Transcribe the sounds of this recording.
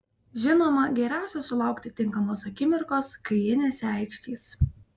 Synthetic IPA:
ʒʲɪnoːmɐɡʲɛɾʲæˑʊsʲɛsʊlˠɐˑʊkt̪ʲɪt̪ʲɪŋˑkɐmoːsɐkʲɪmʲɪɾkoːskɐɪɪnʲeːsæˑɪkʃʲt̪ʲiːs

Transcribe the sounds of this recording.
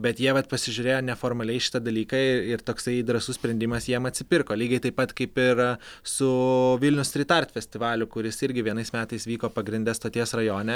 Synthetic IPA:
bʲɛt̪jiɛʋɐt̪pɐsʲɪʒʲʊɾʲeːjoːnʲɛfoːɾmɐlʲɛɪʃʲɪ̥t̪ɐd̪ɐlʲiːkɐɪɪɾt̪oːksɐɪd̪ɾɐsʊsʲpʲɾʲɛnʲd̪ʲɪmɐsjiɛmɐt̪ʲsʲɪpʲɪɾkoːlʲiːɡʲɐɪt̪ɐɪpɐt̪kɐɪpɪɾsʊʋʲɪlʲnʲʊsɾʲiːt̪ɐrʲt̪ʲfʲɛsʲt̪ʲɪʋɑːlʲʊkʊɾʲɪsɪɾʲɡʲɪʋʲiɛnɐɪsmʲæːt̪ɐɪsʋʲiːkoːpɐɡɾʲɪnʲd̪ʲɛst̪oːt̪ʲiɛsrɐjoːnʲɛ

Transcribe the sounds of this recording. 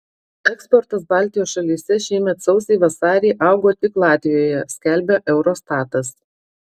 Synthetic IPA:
ɛkspɔɾt̪ɐsbɑˑlʲˑt̪ʲɪjoːsʃɐlʲisʲɛʃʲiːmʲɛt̪sɒʊsʲɛɪʋɐsɑːɾʲɛɪʔɑˑʊɡoːt̪ʲɪklˠɑːt̪ʲʋʲɪjoːjɛsʲkʲɛlʲbʲɛʔɛʊɾoːst̪ɑːt̪ɐs

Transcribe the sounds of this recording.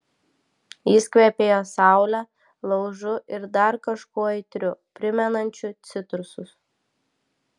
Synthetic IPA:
jɪskʋʲɛpʲeːjoːsɑˑʊlʲæ | lˠɐʊʒʊʔɪɾd̪ɐɾkɐʃkuɔɛɪt̪ʲɾʲʊpʲɾʲɪmʲɛnɐnʲt͡ʃʲʊt̪sʲɪt̪ɾʊsʊs

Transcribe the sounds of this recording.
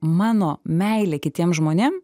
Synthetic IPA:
mɑːnoːmʲɛɪlʲeːkʲɪt̪ʲiɛmʒmoːnʲeːm

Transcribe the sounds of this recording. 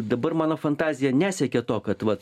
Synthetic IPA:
d̪ɐbɐrmɑːnoːfɐnt̪ɑːzʲɪjɛnʲæːsʲɛkʲɛt̪oːkɐt̪ʋɐt̪

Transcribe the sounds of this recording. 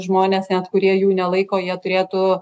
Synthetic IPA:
ʒmoːnʲeːsnʲɛt̪kʊɾʲiɛjuːnʲɛlˠɐɪkoːjiɛt̪ʊɾʲeːt̪uː

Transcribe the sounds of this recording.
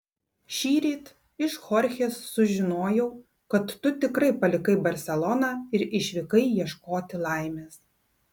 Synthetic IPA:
ʃʲiːɾʲiːt̪ | ɪʃxɔɾʲxʲeːsːʊʒʲɪnoːjɛʊ | kɐt̪ːʊt̪ʲɪkɾɐɪpɐlʲɪkɐɪbɐɾʲsʲɛlˠɔnɑːɪɾɪʃʲʋʲɪkɐɪjiɛʃkoːt̪ʲɪlˠɑˑɪmʲeːs

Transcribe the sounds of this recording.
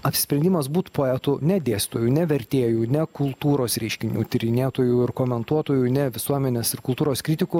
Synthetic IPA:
ɐpʲsʲɪsʲpʲɾʲɛnd̪ʲimɐsbuːt̪poːɛt̪ʊnʲɛd̪ʲeːsʲtʲt̪oːjuːnʲɛʋʲɛɾʲt̪ʲeːjuːnʲɛkʊlˠt̪uːɾoːsɾʲɛɪʃʲkʲɪnʲṵt̪ʲɪɾʲɪnʲeːt̪oːjuːɪɾkoːmʲɛnt̪uɔt̪oːjuːnʲɛʋʲɪsuɔmʲɛnʲeːsɪɾkʊlˠt̪uːɾoːskɾʲɪt̪ʲɪkʊ

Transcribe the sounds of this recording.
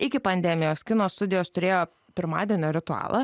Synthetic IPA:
ɪkʲɪpɐnʲd̪ʲɛmʲɪjoːskʲɪnoːst̪ʊd̪ʲɪjoːst̪ʊɾʲeːjoː | pʲɪɾmɑ̰ːd̪ʲiɛnʲoːɾʲɪt̪ʊɑ̰ːlˠɐ

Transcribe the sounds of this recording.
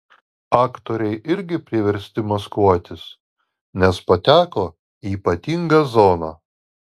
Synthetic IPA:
ɑːkt̪oːɾʲɛɪʔɪɾʲɡʲɪpʲɾʲɪʋʲɛɾʲsʲt̪ʲɪmɐskuɔt̪ʲɪs | nʲɛspɐt̪ʲæːkoː | iːpɐt̪ʲiŋɡɐzoːnɐ

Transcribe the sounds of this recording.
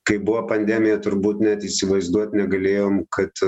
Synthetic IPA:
kɐɪbʊʋoːpɐnʲd̪ʲæːmʲɪjɛt̪ʊɾbuːt̪nʲɛt̪ɪːsʲɪʋɐɪzd̪uɔt̪ʲnʲɛɡɐlʲeːjoːmkɐt̪

